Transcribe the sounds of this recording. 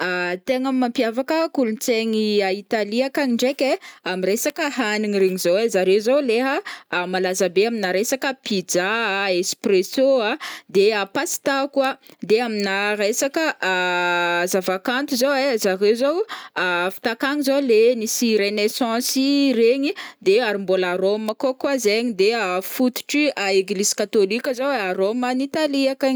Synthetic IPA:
at̪eŋamːãmpjavakəkulunt͡seɲiait̪aliakaŋiɳɖ͡ʐekʲeamiresakəɦaniɲiɾeɲizowezaɾewzowleɦəmalazəbeaminaɾesakəpid͡zaespresoad̪eapasi̥t̪akuad̪eaminaɾesakəʔ | zavakant̪uzowezarewzowafi̥t̪akaɲizolenisiɾenesɑ̃sireɲid̪eaɾimbolaɾoməkokwazeɲid̪eafut̪u̥ʈ͡ʂiaeɡliz̥kat̪olikʲəzowaɾomanit̪aliaka

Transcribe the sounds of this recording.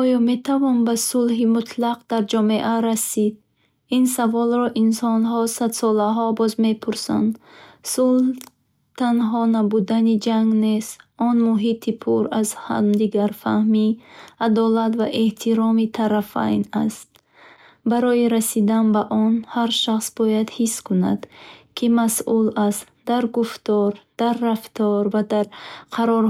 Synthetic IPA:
ɔjɔme̞t̪ʰavɔnbasulɦimut̪ʰlaqd̪aɾd͡ʒɔme̞ʔaɾasid̪̚ | insavɔlɾɔʔinsɔnɦɔsad̪sɔlaɦɔbɔzme̞pʰuɾsa̰nd̪sulh | t̪ʰanɦɔnabud̪anid͡ʒaŋɡnesɔnmuɦit̪ʰipʰuɾazha̰md̪iɡaɾfahmiad̪ɔlat̪vaʔeht̪ʰiɾɔmit̪ʰaɾafa̰jna̰st̪̚ | baɾɔjiɾasid̪anbaʔɔnhaɾʃaχsbɔjad̪hiskuna̰d̪̥kʰimasʔulast̪d̪̥aɾɡuft̪ɔɾd̪̥aɾːaft̪ɔɾvad̪aɾqʰaɾɔɾ

